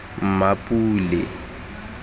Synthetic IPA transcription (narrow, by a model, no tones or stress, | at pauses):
m̩mapʼuːlɪ̰